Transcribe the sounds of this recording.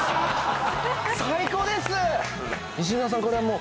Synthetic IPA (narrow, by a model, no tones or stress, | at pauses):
saiko̞ːd̪e̞sɨ | iɕ̬imas̬ãŋko̞ɾeamoː